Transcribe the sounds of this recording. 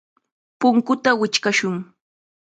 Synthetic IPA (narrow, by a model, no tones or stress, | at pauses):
pʊŋkʊt̪awɪt͡ʃkaʃʊŋ